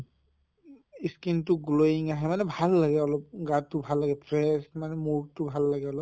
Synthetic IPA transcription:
iskintʊɡuloiŋaɦɛmanɛbʱalːaɡɛɔlɔp̚ɡatːʊbʱalːaɡɛpʰɹɛsmanɛmoɹtʊbʱalːaɡɛɔlɔp̚

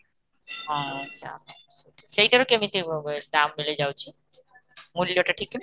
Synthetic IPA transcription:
ɦãatːɕʰa̰eʃejʈaɾokeamit̪ed̪amːiled͡ʑawt͡ɕʰe | mulijoʈaʈʰikːe

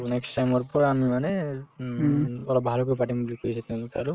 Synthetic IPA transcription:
nɛksʈajmɔɹpɔɹamimanɛ | ɔlɔbʱalɔkojpaʈimbulikʰoisɛt̪ɛ̃mita̰ɹu

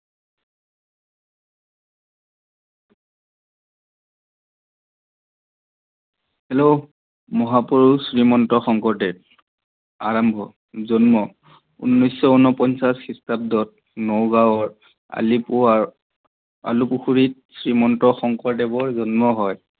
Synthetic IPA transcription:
hɛlo | mɔɦapuɹusɹimɔntɔxɔŋkɔɹtɛ | aɹambʱɔ | zɔnmɔ | ṵnːɔjsɔunɔpɔnsasxistab̚dɔt̚ | nowɡawɔɹ | a̰lipua | a̰lupuxʰuɹit̚sɹimɔntɔxɔŋkɔɹtɛbɔɹzɔnmɔɦɔj

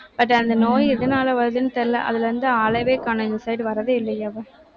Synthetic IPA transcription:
bɐʈːɐnd̪ɐnoːjɪðɐnaːlɐʋɐɾðɯnɯt̪ɛlːɐ̰ʔɐ̰ðɪlɛɾɯnd̪ɯaːlɐʋeːkaːnɐɪnd̪ɐsɐɪɖʋɐɾɐðɯɪlːɐjaʋɐ̃

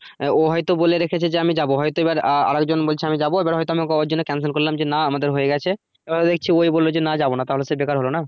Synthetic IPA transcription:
oɦɔjt̪oboleɾekʰet͡ɕʰed͡ʑeamid͡ʑaboɦɔjt̪oebaɾa̰ɾekd͡ʑonbolt͡ɕʰiamid͡ʑaboebaɾɦɔjt̪oamikod͡ʑonːekɛns̬elkoɾilamd͡ʑenaamad̪eɾɦojeɡɛt͡ɕʰe | ebad̪ek̚t͡ɕʰiojbolːod͡ʑenad͡ʑabonat̪aɦolesebekaɾɦolona

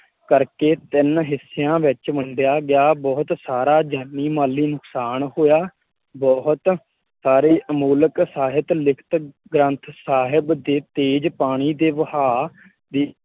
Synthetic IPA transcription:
kəɾkeːt̪ɪnɦɪsːɪjãːʋɪt͡ʃməɳɖɪjaːɡɪjaːbɔːt̪saːɾaːd͡ʒaːnːiːmaːlːiːnʊksaːnɦoːjaː | bɔːɦt̪ | saːɾeːʔəmuːləksaːɦɪt̪lɪkʰt̪ | ɡɾə̃nt̪ʰsaːɦɪbd̪eːt̪eːd͡ʒpaːɽ̃iːd̪eːʋəhaː | d̪iː

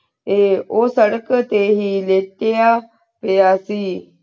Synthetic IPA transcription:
eːoːsəɽəkt̪eːɦiːleːʈeːaː | pejaːsiː

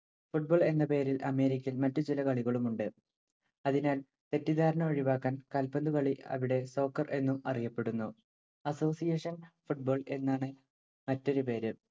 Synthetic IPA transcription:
fuʈ̚boːɭe̞nːɐpe̞ːɾilʔɐme̞ːɾikʲːilmɐtːut͡ɕilɐkɐɭiɣɐɭumuɳɖɨ | ɐðinaːl | t̪e̞tːiðaːɾɐɳɐʋɐɻiʋaːkːaːnkɐlpɐnd̪ukɐɭiɐ̰ʋiɽe̞so̞ːkːɐrʔe̞nːumɐrijɐpːe̞ɽunːu | ɐso̞ːsijeːʂɐnfuʈ̚bo̞ːɭe̞nːaːɳɨ | mɐtːo̞ɾupe̞ːɾɨ

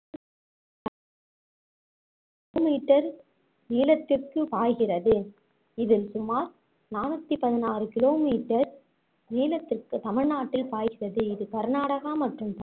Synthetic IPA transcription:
miːʈːɐɾ | niːlɐt̪ːɪrkɯpaːjɣɪrɐðɯ | ɪðɪlsʊmaːɾ | naːnɐt̪ːipɐðɪnaːrɯkɪloːmiːʈːɐɾ | niːlɐt̪ːɪrkɯt̪ɐmɪɻnaːʈːɪlpaːjɣɪrɐðɯɪðɯkɐɾnaːɽɐɣaːmɐʈrɯmtː

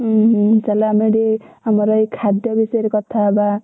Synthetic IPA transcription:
t͡ʃalaameɾe | amɔɾɔjkʰad̪jɔbisɔjɾekɔt̪ʰaba

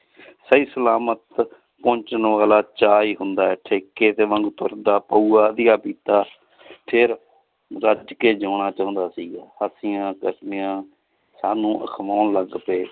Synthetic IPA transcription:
səiːsəlaːmət̪ | põːɲt͡ʃənʋaːlaːt͡ʃaːiːɦʊnd̪aːɛːʈʰeːkeːt̪eːʋəŋɡt̪ʊ̰ɾd̪aːpəuːaːd̪ɪjaːpiːt̪aː | pʰɪɾ | ɾəd͡ʒkeːd͡ʒoːɳ̃aːt͡ʃaːʊ̃nd̪aːsiːɡɛːhəsɪjãːkəsnɪjãː | saːnũːʔə̰kʰmaːnləɡpeː

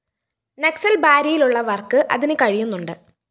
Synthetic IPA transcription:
neksɐlbaːɾijiluɭːɐʋɐrkːɨʔɐ̰ðinɨkɐɻijunːuɳɖɨ

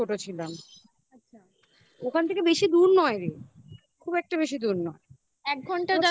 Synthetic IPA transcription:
oʈot͡ɕʰilam | atːɕʰa | okʰant̪ʰekebeʃid̪uɾnɔeɾi | kʰubɛk̚ʈabeʃid̪uɾnɔe | ɛk̚ɡʱɔɳʈad̪a

